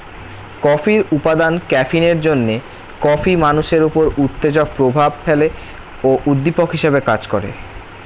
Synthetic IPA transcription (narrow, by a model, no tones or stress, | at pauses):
kɔfiɾupad̪ankɛfineɾd͡ʑonːe | kɔfimanuʃeɾupoɾut̪ːed͡ʑok̚pɾobʱabfʰele | oʔud̪ːipokɦiʃebekad͡ʑkɔɾḛ